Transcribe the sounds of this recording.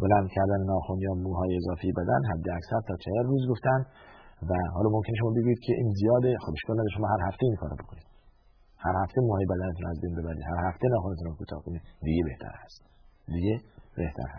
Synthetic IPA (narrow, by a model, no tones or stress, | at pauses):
bolænd̪cʰæɾd̪ænenɒːxonjɒːmuːɦɒːjeːzɒːfejebæd̪ænɦæd̪ːeæksæɾt̪ʰɒːt͡ʃʰeheɾruːzɡoft̪ænd̪væɦɒːlɒːmo̞mkʰʲe̞neʃo̞mɒːbeɡuːjiːd̪̥̚kʲʰeʔiːnzijɒːd̪exobe̞ʃkɒːlnæd̪ɒɾeʃomɒːhɦæɾhæft̪eiːnkʰɒːɾɔ̰bo̞kʰoniːd̪̥ | hæɾhæft̪ʰemuːhɒːjebæd̪ænet̪ʰunæzbejnbe̞bæɾḭːd̪hæɾhæft̪ʰenɒːxonet̪unkʰuːt̪ʰɒ̰ːhkonid̪d̪iɟebe̞ht̪ʰæ̰ɾhæst̪d̪iɟebe̞ht̪ʰæ̰ɾhæ̰s